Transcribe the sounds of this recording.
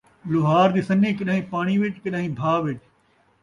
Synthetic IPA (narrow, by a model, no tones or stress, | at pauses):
lʊɦaːɾd̪iːsɐnẽkɪɗaːɦĩːpaːɽ̃iʋɪt͡ʃkɪɗaːɦĩːbʱaːʋɪt͡ʃ